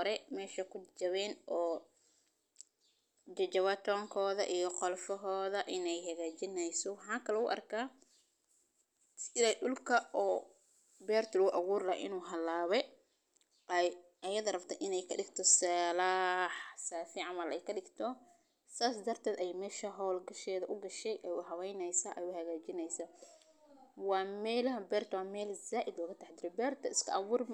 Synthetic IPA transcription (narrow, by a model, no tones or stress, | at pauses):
ɔɾɛmɛːʃɐkʰʊd͡ʒɐβɛːnɔː | d͡ʒɐd͡ʒɐβɐt̪ʰɔːŋkʰɔːðɐ̰ʔijɔqɔlfɔɦɔːðɐʔɪnɛjhɐɣaːt͡ʃɪnɛjsɔwɑħɑːkʰɐlɛʊʔɐ̰rkʰaː | sɪlɛɗʊlkʰɐʔɔː | bɛːrt̪ʊlʊʔɐɣuːrlɐːʔɪ̰nuːɦɐlːaːβɛ | ʔj | ʔɐjɐðɐrɐbt̪ʰɐʔɪnɛjkʰɐɗɪɡt̪ʰɔsɐːlaħsaːfɪʕɑmɐlɛjkʰɐɗɪɡt̪ʰɔ | saːs̬d̪ɐrt̪ʰɛːd̪ɛjmɛːʃɐɦɔːlɡɐʃɛːðɐʔʊɡɐʃɛjʔɛjʊħɐwɛjnɛjsaːʔɛjʊhɐɣaːt͡ʃɪnɛjsa | wɑːmɛːlɐɦɐbɛːrt̪ʰɐwɑːmɛːlzaːʔɪd̪lɔːɣɐt̪ʰɐħd̪ɪɾɛbɛːrt̪ʰɐɪskʰɐʔɐβuːrm